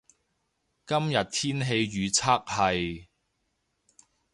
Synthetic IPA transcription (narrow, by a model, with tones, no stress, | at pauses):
kɐ˥mjɐ˨t̚t̪ʰiː˥nɦe˧jːyː˨˧t͡sʰaː˥k̚hɐ˨j